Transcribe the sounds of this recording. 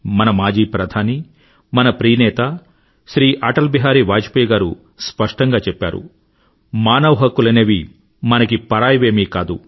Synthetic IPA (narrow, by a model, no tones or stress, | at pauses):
mɐnɐmaːd͡ʒiːpɾɐd̪ʱaːni | mɐnɐpɾiːnɛːt̪ɐ | ʃɾiːʔaːʈɐlbiɦaːɾiʋaːd͡ʒi̥pijɐɡaːɾu | spɐʂʈɐŋɡaːt͡ʃɛpːa̰ːɾṵ | maːnɐʋɐɦɐkːulɐneːʋi | mɐnɐkipɐɾaːjɐʋeːmiːkaːd̪u